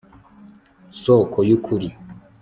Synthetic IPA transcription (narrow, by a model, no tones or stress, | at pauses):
sokʰojukʰuɾi